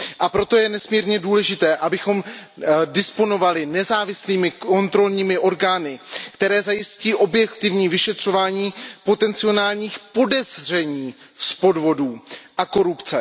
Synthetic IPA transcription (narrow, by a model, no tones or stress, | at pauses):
ʔapɾo̞t̪o̞jɛnɛsmiːɾɲɛduːlɛʒɪt̪ɛːʔabɪxo̞m | dɪspo̞no̞valɪnɛzaːvɪsliːmɪko̞nt̪ɾo̞lɲiːmɪʔo̞ɾɡaːnɪkt̪ɛɾɛːzajɪsciːʔo̞bjɛkt̪ɪvɲiːvɪʃɛt̪r̝̥o̞vaːɲiːpo̞t̪ɛnt͡sɪo̞naːlɲiːxpo̞dɛzr̝ɛɲiː | spo̞dvo̞duːʔako̞ɾupt͡sɛ